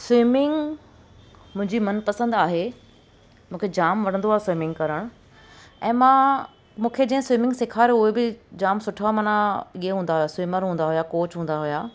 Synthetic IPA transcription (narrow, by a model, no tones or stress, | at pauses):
swɪmɪ̃ŋɡ | mʊ̃ɦɪ̃ɲd͡ʑimɐnpɐsə̃nd̪aːɦe | mũːkʰed͡ʑaːmʋɐɽ̃ə̃nd̪oaːɦesɪmɪ̃ŋɡkɐɾəɽ̃ʊ | ɛ̰̃ːmã | mũːkʰed͡ʑɐ̃ɦɪ̃swɪmɪ̃ŋɡsɪkʰaːɾʊɦebɪd͡ʑaːmsʊʈʰamaːnãieɦũːnd̪aɦujaswɪːməɾɦũːn̆d̪aɦʊjakoːt͡ɕɦũːn̆d̪aɦʊjaː